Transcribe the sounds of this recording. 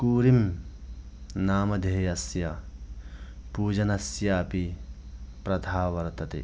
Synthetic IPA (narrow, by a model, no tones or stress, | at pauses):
kuːɾim | naːmɐd̪ʱeːjɐsjɐ | puːd͡ʒɐnɐsjaːpi | pɾɐd̪ʱaːʋɐɾt̪ɐt̪ḛ